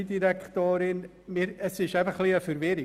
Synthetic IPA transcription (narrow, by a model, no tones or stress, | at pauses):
diɾɛktoːɾɪn | mɪɾəsɪʃaɪfəχliəfəɾvɪɾɪ